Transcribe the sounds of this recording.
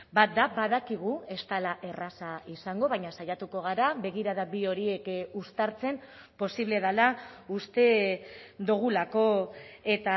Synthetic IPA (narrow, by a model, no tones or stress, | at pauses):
bat̪̚d̪abaðakiɣ̞ue̞st̪alaʔe̞rasaisaŋɡo̞βaɲasajat̪uko̞ɣ̞aɾaβe̞ɣ̞iɾaðabio̞ɾie̞kust̪aɾt͡se̞m | po̞siβle̞ðalaust̪e̞ | d̪uɣ̞ulako̞e̞t̪a